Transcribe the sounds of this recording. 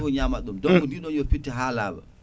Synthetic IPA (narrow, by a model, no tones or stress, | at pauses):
fɔɲamaɗumdɔŋkɔndiɗɔnjɔfitːiɦaːlaːɓa̰